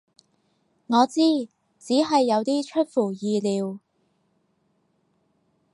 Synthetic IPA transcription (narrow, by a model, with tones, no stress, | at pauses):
ŋɔː˨˧t͡siː˥ | t͡siː˨˥ɦɐ˨jːɐ˨˧wt̪iː˥t͡ʃʰɵ˥t̚fuː˨˩jiː˨˧liː˨˧w